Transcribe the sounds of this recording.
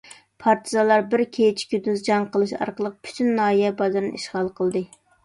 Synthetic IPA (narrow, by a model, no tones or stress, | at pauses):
pʰɑɾt̪ʰɨzɑlˠɑɾbɪɾkʲʰet͡ʃʰkʲyd̪yzd͡ʒɑŋqəlˠɨʃɑ̰ɾqəlˠəq̚pʰy̥t̪ʰynːɑːijɛbɑzɨɾnḭʃʁɑlˠqʰəlˠd̪ɨ